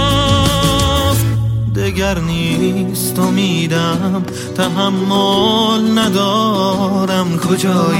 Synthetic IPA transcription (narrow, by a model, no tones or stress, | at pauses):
d̪eɡæɾniːst̪omiːd̪æm | t̪ʰæɦamːolnæd̪ɔːɾæmkʰod͡ʒɔːj